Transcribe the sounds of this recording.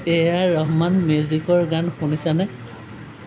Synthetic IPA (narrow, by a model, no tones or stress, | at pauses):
ejaɹɔɦmanmjuzikɔɹɡanxunisanɛ